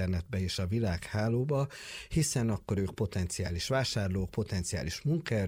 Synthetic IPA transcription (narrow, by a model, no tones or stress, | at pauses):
ɛrnɛd̪̚bɛeːʃɒvilaːkhaːloːbɒhisɛnɒkːo̞ɾøːk̚po̞t̪ɛnt̪sia̰ːliʃʋaːʃaːrloːk̚po̞t̪ɛnt̪sija̰ːliʃmuŋkɛ